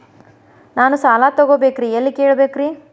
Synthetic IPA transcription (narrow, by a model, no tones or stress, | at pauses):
naːnusaːlaːt̪ɐɡoːbeːkɾiɐlːikeːɭɐbeːkɾi